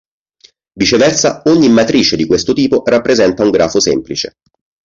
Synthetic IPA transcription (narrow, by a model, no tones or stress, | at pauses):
vit͡ʃevɛrsaoɲːimːat̪ɾiːt͡ʃed̪ikwest̪ot̪iːporapːɾezɛnt̪auŋɡɾaːfosemplit͡ʃḛ